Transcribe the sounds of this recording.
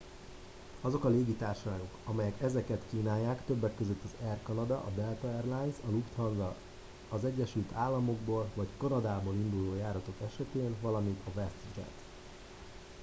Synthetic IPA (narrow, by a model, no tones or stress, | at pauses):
ɒzo̞kɒleːɡit̪aːrʃɒlaːɡo̞kɒmɛjɛkɛzɛkɛt̪kiːnaːjːaːkt̪ø̞bːɛkːø̞zøt̪ːɒzɛrkɒnɒd̪ɒ̰ʔɒd̪ɛlt̪ɒɛrlajnsɒlukt̪hɒnzɒ | ɒzɛɟːɛʃylt̪ʰaːlːɒmo̞ɡboːlvɒckɒnɒd̪aːboːlind̪uloːjaːɾɒt̪o̞kɛʃɛt̪eːnvɒlɒmint̪ʰɒvɛst̪d͡ʒɛ̰t̪